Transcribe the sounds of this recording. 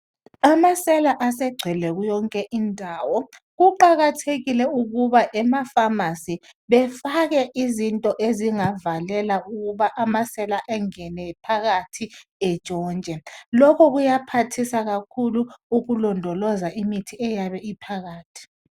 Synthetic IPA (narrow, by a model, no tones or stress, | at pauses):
amasɛlaʔasɛɡ͡ǀʱɛlɛɣujɔŋkʼɛʔindʱaːwɔ | ɣuǃaɣatʰeɣilɛuɣuβaʔɛmafamasiβɛfaɣɛʔizintʼɔʔeziŋavalɛlauɣuβaʔamasɛlaʔɛŋɛnɛpʰaɣatʰiɛ̥t͡ʃʼɔːnt͡ʃʼɛlɔkʰɔɣujapʰatʰisaɣakʰuluuɣulɔndʱɔlɔzaʔimitʰiɛjaβɛipʰaɣaːtʰi̥